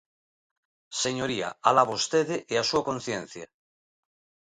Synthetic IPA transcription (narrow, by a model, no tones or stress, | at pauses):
seɲoɾia̰alaβost̪eðeʔeasuakon̟θjẽn̟θja